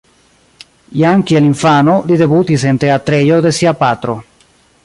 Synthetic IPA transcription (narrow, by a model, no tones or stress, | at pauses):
jaŋkieliɱfanolideβut̪isent̪eat̪ɾejod̪esiapat̪ɾo